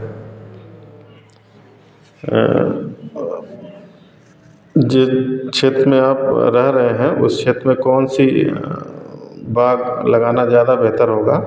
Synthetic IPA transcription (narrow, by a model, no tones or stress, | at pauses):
d͡ʒɪt͡ʃʰeːt̪ɾəmẽaːpɾɐɦɾɐɦeɦɛ̃ʔʊ̰st͡ʃʰeːt̪ɾəmẽkɔːnsi | baːɡlɐɡaːnazjaːd̪abeɦt̪əɾɦoːɡaː